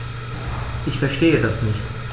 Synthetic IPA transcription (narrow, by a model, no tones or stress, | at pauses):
ʔɪçfɛɐʃteːədasnɪçt